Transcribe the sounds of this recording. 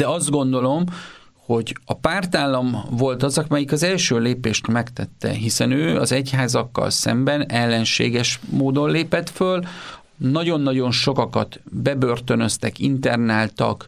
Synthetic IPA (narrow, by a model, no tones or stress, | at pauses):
d̥̪ɛɒzd̪̚ɡo̞nd̪o̞lo̞m | ho̞ɟɒpaːrt̪aːlːɒmvo̞lt̪ɒzɒkmɛjikɒzɛlʃøːleːpeːʃt̪mɛkt̪ɛt̪ːɛ̰ɦisɛnøːɒzɛchaːzɒkːɒ̰lsɛ̰mbɛnɛlːɛnʃḛːɡɛʃmoːd̪o̞nleːpɛt̪føl | nɒɟo̞nːɒɟo̞nʃo̞kɒkɒt̪bɛbø̞rt̪ø̞nø̞st̪ɛkint̪ɛrnaːlt̪ɒ̰k